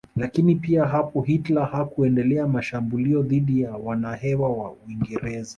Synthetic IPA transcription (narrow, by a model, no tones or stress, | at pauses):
lakinipiaɦapɔɦitlahakuɛndɛlɛamaʃambuliɔðiɗijawanahɛwawauwiŋɡɛɾɛza